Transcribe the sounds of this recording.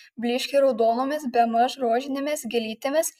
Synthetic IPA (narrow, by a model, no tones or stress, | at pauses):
bʲlʲɪːʃʲkʲɛɪɾɒʊd̪oːnoːmʲesbʲɛmɐʒɾoːʒʲɪnʲemʲesɡʲɪlʲiːt̪ʲemʲes